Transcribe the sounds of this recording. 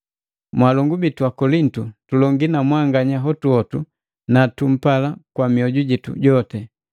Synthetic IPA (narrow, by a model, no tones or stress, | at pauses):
mwalɔŋɡubituakɔlin̩tutulɔŋɡinamwaŋɡaɲaɦɔtuɔtu | natum̩palakwamiɔɟuɟitṵɟɔtɛ